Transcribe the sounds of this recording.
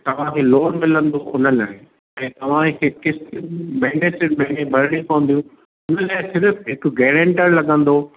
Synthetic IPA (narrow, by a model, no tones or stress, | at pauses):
t̪ɐʋ̤ãkʰeːloːɽmɪlə̃nd̪oʔʊnəlaːɪ | ɛ̃ːt̪ɐʋ̤ãkʰɪkːɪst̪ɪmɐ̃ɦɪnẽsɪɾmɐ̃ɦɪɳẽbʱɐɾɽikoːə̃nd̪ijũ | ʊnəlaːɪsɪɾəfɦɪkɡɛːɽẽɳʈəɾlɐɠə̃nd̪oː